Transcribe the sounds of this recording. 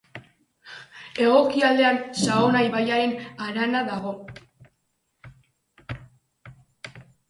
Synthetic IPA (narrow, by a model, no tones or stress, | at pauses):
e̞ɣo̞kiald̪e̞ansaonajβajaɾenaɾanaðaɣ̞o̞